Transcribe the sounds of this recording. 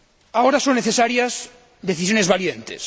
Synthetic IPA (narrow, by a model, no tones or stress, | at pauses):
aoɾasonːeθesaɾjaz | d̪eθis̬jonezβaljent̪ḛs